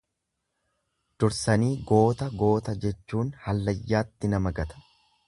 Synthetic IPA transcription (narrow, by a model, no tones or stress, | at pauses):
d̪̥ʊɾsɐniːɡo̞ːt̪ɐɡo̞ːt̪ɐd͡ʒɛt͡ʃːuːnhɐlːɐjːaːt̪ːɪnɐmɐɡɐt̪ɐ̥